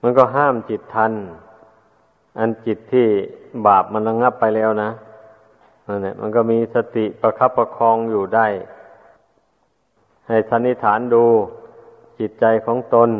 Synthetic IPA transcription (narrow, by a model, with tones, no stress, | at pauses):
ma˧˥˨nkɔː˧˩ɦaː˥˩mt͡ɕi˨˩t̪ʰːa˧n | ʔa˧nt͡ɕi˨˩t̪ʰːiː˧˩baː˨˩p̚ma˧˥nla˧ŋa˧˥˩pːa˧jlɛː˧˩wna˧˥ | na˧˨nːa˧˩mʔa̰˧˨nkɔː˧˩˨miː˧sa˧t̪i˨˩pa˧kʰa˧˥pːa˧kʰɔː˧ŋjuː˨˩da˧˩j | ha˨˩jsʰa˧˥nːi˧˥˨t̪ʰaː˩˦nduː˧ | t͡ɕi˨˩t̪̚t͡ɕa˧jkʰɔː˨˦ŋt̪o˧n